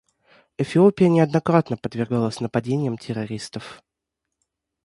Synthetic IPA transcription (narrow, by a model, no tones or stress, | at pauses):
ɛfʲɪopʲɪjənʲɪɐd̪nɐkɾat̪nəpəd̪vʲɪrɡalˠəsʲnəpɐdʲenʲɪjəmtʲɪɾɐɾʲist̪əf